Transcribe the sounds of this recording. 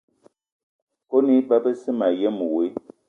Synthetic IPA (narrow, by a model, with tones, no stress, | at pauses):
ko˦ni˦ba˦pə˦si˦ma˨je˦mu˨wi˨˦